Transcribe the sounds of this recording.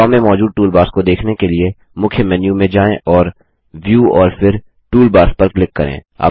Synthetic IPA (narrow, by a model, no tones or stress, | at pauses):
ɔːmẽmɔːd͡ʒuːd̪̚ʈuːlbaːɾskod̪eːkʰnekelie | mʊkʰjəmɛːnjũmẽd͡ʒaːẽʔɔːɾ | ʋjuːɔːɾfɪɾ | ʈuːlbaːɾspɐɾklɪkːɐɾḛ̃ːa̰ː